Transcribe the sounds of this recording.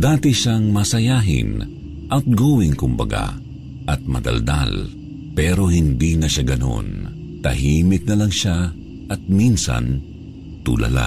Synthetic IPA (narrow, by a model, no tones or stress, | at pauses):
d̪aːt̪ɪʃaŋmasɐjaːɦɪ̰n | ʔɐt̪̚ɡowɪŋkʊmbɐ̰ɡa̰ | ʔɐt̪̚mɐ̰d̪ɐ̰ld̪a̰l | pɛɾo̞hɪnd̪inɐʃaɡɐno̞̰n | t̪ɐ̰ɦiːmɪk̪̚nɐlɐŋʃa | ʔɐt̪̚minsɐ̰n | t̪ṵːlɐ̰la̰